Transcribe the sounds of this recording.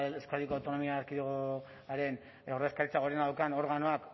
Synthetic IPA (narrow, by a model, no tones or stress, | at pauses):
eskaðikoawt̪o̞no̞miaːɾkiðuɣo | aɾe̞n | ewreskaɾit͡saɣɾenaawkano̞ɾɣano̞ak